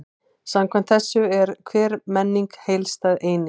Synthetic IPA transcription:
samkʰvam̥n̥t̪θɛsːʏɛɾkʰvɛːɾmɛnːiŋkhejlst̪aːðeːjnɪ

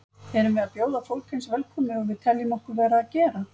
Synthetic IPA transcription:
hɛɾʏmvɛðapjoːwðafowlcʰɛnsvɛlkʰɔːmɪɔɣvɪðt̪ʰɛljʏmɔhkʏɾvɛːɾaːcɛːɾa

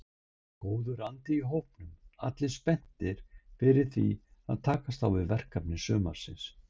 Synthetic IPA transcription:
koːwðʏɾant̪ɪiɦowhpnʏma̰t̪lɪ̥spɛn̥t̪ɪɾ̥fɪɾɪɾ̥θvḭa̰ðt̪ʰaːkast̪awvɪðvɛr̥kapnɪsœːma̰ɾ̥sɪns

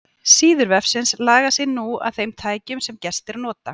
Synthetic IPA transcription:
siːðʏɾvɛfsɪnslaːɣasɪnua̰ðθejmt̪ʰaːjcʏmsɛmcɛst̪ɪɾanɔːt̪a̰

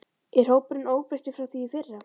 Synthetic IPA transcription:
ɪr̥oːwpʏɾɪnoːwpɛst̪ɪfɾawθviːfɪrːa

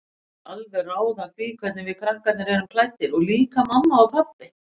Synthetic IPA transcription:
alvɛraːwðaθviːkʰvɛt̪nɪvɪðkʰɾahkat̪nɪɾɛɾʏmkʰlaːjt̪ːɪɾɔɣliːkamamːaːwpʰaplɪ

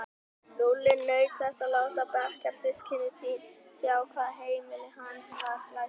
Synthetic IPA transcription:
lolɪnœɥt̪θɛst̪alawt̪apɛhkaɾ̥sɪscʰɪnɪsinsjawkʰvaːðaɦeːjmɪlɪhanshalaj

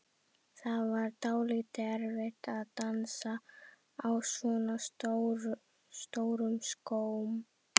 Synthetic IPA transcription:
θaðvaɾt̪aːwlit̪ɪɛɾvɪht̪aðt̪ansa | awsvɔːna | st̪owɾʏmskoːwm

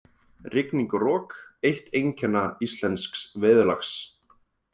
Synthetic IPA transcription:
rɪkniŋkʏrɔːkejht̪ejɲcʰɛnːaist̪lɛnsksvɪðʏla̰xs

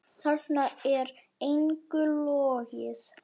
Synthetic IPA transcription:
θarnaɛɾ | ejŋkʏlɔːɣɪs

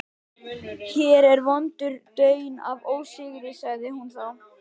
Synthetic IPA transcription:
çɛːɾɛɾvɔnt̪ʏɾt̪œːɥna̰voːwsɪɣɾɪsaɣðɪhunθaw

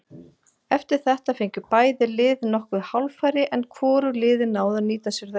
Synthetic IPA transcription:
ɛft̪ɪɾ̥θɛht̪afejɲcʏpaːjðɪlɪːðnɔhkvɪðhawlfaːjɾɪʔɛnkʰvɔːɾʏlɪːðɪnaːwðaniːt̪asʏɾða

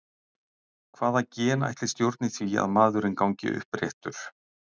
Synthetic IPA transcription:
kʰv̥aːðacɛːna̰jht̪lɪst̪jowɾt̪nɪθvia̰ðmaːðʏɾɪnkawɲcɪ̰ʔʏ̰hpɾjḛht̪ʏɾ̥

